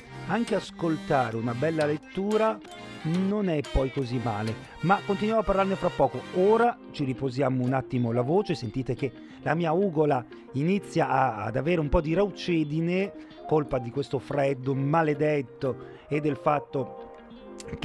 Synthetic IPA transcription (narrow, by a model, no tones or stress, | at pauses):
aŋkeaskolt̪aːɾeunabɛlːalet̪ːuːɾa | nonɛpːɔjkozimːaːle | makːont̪inwjamoapːarlarnefɾapːɔːkooːɾa | t͡ʃiɾipozjaːmounat̪ːimolavoːt͡ʃesent̪iːt̪ek̟e | lamiːauːɡola | init̪sːjaʔa̰ːd̪aveːɾeumpɔd̪iɾawt͡ʃɛːd̪ine | kolpad̪ikwest̪ofɾɛd̪ːomaled̪et̪ːo | ed̪ːelfat̪ːo | k